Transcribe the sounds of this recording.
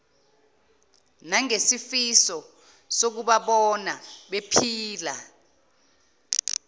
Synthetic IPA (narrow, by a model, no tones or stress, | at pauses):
naŋesifisɔ | sok̬uɓaɓɔnaɓepʰiːla